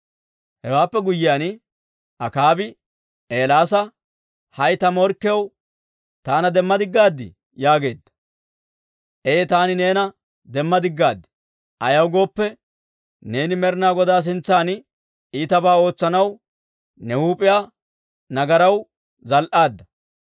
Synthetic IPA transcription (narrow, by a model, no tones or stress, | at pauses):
hɛwaːpːɛɡʊjːɪjaːn | ɐkaːbɪ | ʔeːlaːsɐ | hɐjt̪ɐmɔɾkːɪjɐw | t̪aːnɐd̪ɛmːɐd̪ɪɡːaːd̪ːɪ̰ | jaːɡe̞ːd̪ːɐ̥ | ʔejt̪aːnɪne̞ːnɐ | d̪ɛmːɐd̪ɪɡːaːd̪ːɪ̥ | ʔɐjɐwɡo̞ːpːɛ | ne̞ːnɪmɛɾnaːɡɔd̪aːs̬ɪnt͡sːaːn | iːt̪ɐbaːo̞ːt͡sːɐnɐw | nɛhuːpʼɪja | nɐɡɐɾɐw | zɐlʔaːd̪ːɐ